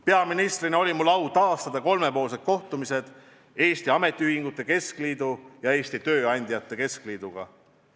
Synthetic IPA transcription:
peɑminist̪rineo̞lʲimulːɑwt̪ɑːst̪ɑd̪̥ɑko̞lme̞po̞ːlse̞d̪̥̚ko̞ht̪umise̞d̪̥ | eːst̪iɑme̞t̪ʲˑːiyhiŋɡ̥ut̪ˑːe̞ke̞skliːd̪̥ujɑe̞ːst̪it̪ø̞ːɑnʲd̪̥ʲijɑt̪ːˑe̞ke̞skliːd̪̥uɡ̥ɑ̰

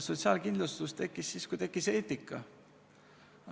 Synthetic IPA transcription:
sot̪siɑːlkind̪lust̪ust̪e̞kˑːisːiːskujt̪e̞kːˑise̞ːt̪ikːˑɑ̰

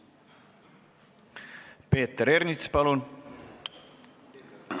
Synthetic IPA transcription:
peːt̪əɾernit̪spɑlun

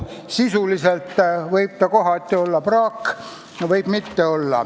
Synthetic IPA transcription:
sisulise̞lt̪ːˑvɤjb̥̚t̪ɑkoɦɑt̪ʲːˑio̞lːɑprɑːkː | jɑvɤjb̥mit̪ːe̞o̞lːɑ̰

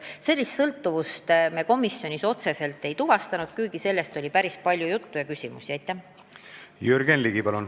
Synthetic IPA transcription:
se̞lːist̪sɤlt̪ːˑuvust̪meko̞misːjo̞nʲiso̞t̪se̞se̞lt̪ːe̞jt̪uvɑst̪ɑnud̪̥kujɡ̥ise̞lːe̞st̪o̞lʲipæɾispɑlʲjujut̪ːujɑkysʲimṵsiɑjt̪ːˑæ | jyɾɡ̥enliɡipɑlun

